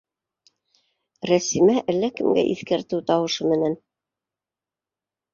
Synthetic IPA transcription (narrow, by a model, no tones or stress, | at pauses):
ɾæsimæʔælːækɘ̆mɡæ̰ʔḭθkæɾt̪ɘwt̪ɑwɤ̆ʃɤmɘ̆næn